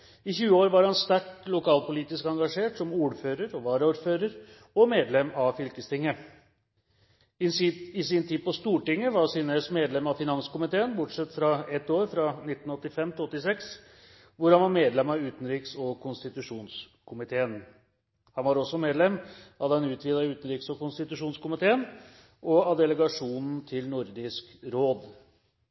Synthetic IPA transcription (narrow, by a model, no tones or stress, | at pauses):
ɪçʉːəoːɾʋɑɾhɑnst̪æʈlʊkʰɑːlpʊliːt̪ɪskɑŋɡɑʂeːʈsɔmuːɾføːɾəɾɔʋɑːɾəuːɾføːɾəɾ | ɔmeːd̪lɛmɑfʏlkəst̪ʰɪŋːə | ɪɪsɪnt̪ʰiːd̪̚pɔst̪uːʈɪŋːəʋɑʂiːnəsmeːd̪lɛmɑfɪnɑnskʊmɪt̪ʰeːənbʊʈʂɛt̪ːfɾɑɛt̪ːoːɾfɾɑnɪt̪ːn̩ɔt̪ːɪfɛmt̪ɪlɔt̪ːɪsɛks | ʋʊɾhɑnʋɑɾmeːd̪lɛmɑʉːt̪n̩ɾiːksɔkʰʊnst̪ɪt̪ʉʂuːns | kʰʊmɪt̪ʰeːən | hɑnʋɑɾɔsːɔmeːd̪lɛmʔɑdɛnʉːt̪ʰʋiːd̪ɑʉːt̪nɾiːksɔkʊnst̪ɪt̪ʉʂuːnskʊmɪt̪ʰeːən | ʔɔɑd̪ɛləɡɑʂuːnn̩t̪ʰɪlnʊɾd̪ɪskɾoːd̪